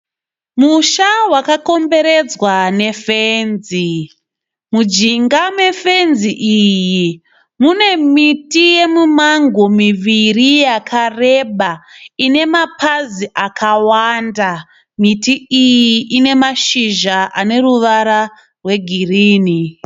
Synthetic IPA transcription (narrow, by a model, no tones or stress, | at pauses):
muʃawakako̞mbe̞ɾe̞d͡zwane̞fenzi | mud͡ʒiŋɡame̞fe̞nziʔiji | mune̞mitije̞mumaŋɡomiʋirijakʰare̞ɓaine̞mapaziʔakʰawanda | mitiijiʔine̞maʃiʒaʔane̞ruʋaɾa | rwe̞ɡʱiriːni